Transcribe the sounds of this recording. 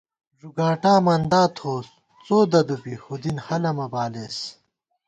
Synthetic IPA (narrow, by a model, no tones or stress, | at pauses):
ʐuɡaːʈaːmɐnd̪aːt̪ʰoːs | t͡soːd̪ɐd̪upihud̪inhɐlɐmɐbaːleːs